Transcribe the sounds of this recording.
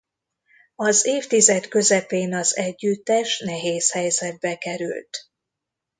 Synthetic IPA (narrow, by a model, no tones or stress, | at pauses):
ɒzeːft̪izɛt̪kø̞zɛpeːnɒzɛɟːyt̪ːɛʃnɛɦeːshɛjzɛd̪̚bɛkɛɾy̰lt̪